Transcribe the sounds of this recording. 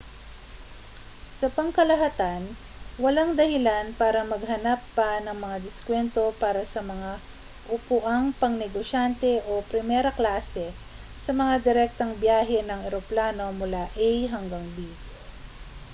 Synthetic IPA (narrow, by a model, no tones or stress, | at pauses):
sɐpɐŋkɐlɐɦɐt̪an | wɐlaŋd̪ɐhɪlanpaːɾɐmɐɡɦɐnapːɐnɐŋmɐŋad̪ɪskwɛnt̪o̞paːɾɐsɐmɐŋa | ʔʊpʊʔaŋpɐŋnɛɡoʃant̪ɛʔo̞pɾɪmɛːɾɐklaːsɛ | sɐmɐŋad̪ɪɾɛk̚t̪ɐŋbjaːɦɛnɐŋʔɛɾoplaːno̞mʊlaʔɛjɦɐŋɡaŋbi